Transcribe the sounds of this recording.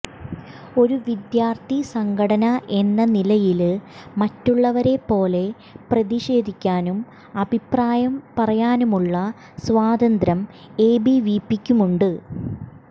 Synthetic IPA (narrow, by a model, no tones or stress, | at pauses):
o̞ɾuʋid̪jaːrt̪isɐŋɡʱɐɽɐnɐʔe̞nːɐnilɐjilmɐtːuɭːɐʋɐɾe̞pːo̞ːle̞ | prɐðiɕe̞ːd̪ʱikʲːaːnum | ɐbʱipraːjɐmpɐrɐjaːnumuɭːɐ | sʋaːd̪ɐnd̪ɾɐm | e̞ːbiʋiːpːikʲːumuɳɖɨ